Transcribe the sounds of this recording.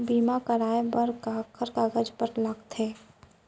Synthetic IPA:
biːmakəɾaːebəɾkaːkʰəɾkaːɡəd͡ʒpəɾləɡt̪ɦeː

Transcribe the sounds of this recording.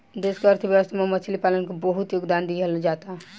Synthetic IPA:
d̪eskeəɾt̪ʰəbjəʋəst̪ʰamemət͡ʃʰlipalənkebəɦut̪joɡd̪and̪iɦəld͡ʒat̪a

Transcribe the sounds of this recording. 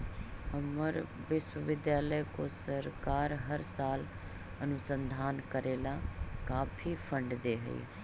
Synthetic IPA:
həməɾ | ʋɪʃwəʋɪd̪jaːləikõːsəɾkaːɾɦəɾsaːl | ənʊsə̃nd̪ʱaːnkəɾeːlãːkaːpʰiːpʰə̃ɳɖd̪eːɦə̰ḭː

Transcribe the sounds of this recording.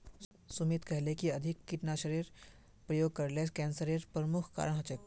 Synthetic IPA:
sʊmiːt̪kɛɦlekiɐd̪ʱɪkːɪʈnaʃəɾiːɾ | pɾɐjoːɡ̚kɐɾleːskɛ̃ːnsəɾeɾpɾəmʊkʰka̰ːɾəɽ̃ɦɐt͡ʃək̚

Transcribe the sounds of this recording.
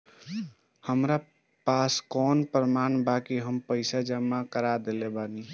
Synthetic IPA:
həmɾa | paskɔnpɾəmanbakiɦəmpəɪsad͡ʒəmːakəɾad̪elebani

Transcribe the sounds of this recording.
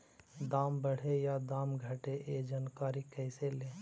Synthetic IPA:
d̪aːmbəɽ̤ejad̪aːmɡʱəʈeʔed͡ʒaːnkaːɾikɛɪseleː

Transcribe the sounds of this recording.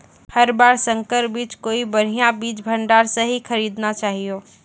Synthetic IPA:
hɐɾbaːɾsə̃ŋkəɾbiːt͡ʃkoːibəɽ̤ijãbiːt͡ʃbʱə̃ɳɖaːɾsəɦikʰəɾiːd̪nat͡ʃaːɦijoː

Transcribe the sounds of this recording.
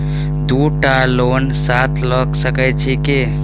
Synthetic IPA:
d̪uʈalonsat̪ʰlɔksəkɛt͡ʃʰike

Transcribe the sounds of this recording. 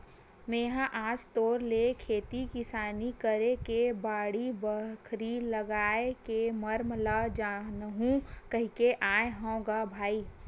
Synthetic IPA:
mẽːɦãʔaːd͡ʒt̪oːɾlekʰeːt̪ikɪsaːnikəɾekebaːɽibəkʰɾiləɡaːekeməɾmlad͡ʒanɦũkəɦikeʔaːeɦɐ̃õɡabʱaːiː

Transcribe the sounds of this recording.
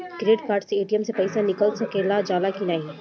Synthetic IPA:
kɾeːɖkaːɾʈseeːʈijəmsepɐɪsanɪkəlsɐkeːlad͡ʒaːlakinaːɦĩ

